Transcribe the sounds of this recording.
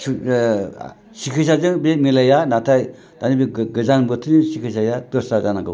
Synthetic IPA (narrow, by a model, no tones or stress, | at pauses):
sikʰɯs̬ʰazɯŋbemilajanatʰaj | d̥anibiɡɯzanbɯtʰɯnisikʰɯs̬ajadɔsɾazanaɡɯ̰w